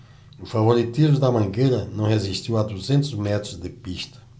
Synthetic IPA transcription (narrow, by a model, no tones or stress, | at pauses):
ufavoɾit̪izmud̪ɐmɐ̃ŋɡeɾɐnɐ̃w̃heziʃt̪iwad̪uzẽnt̪ʊzmɛt̪ɾʊzd̪ɪpiʃt̪ɐ̥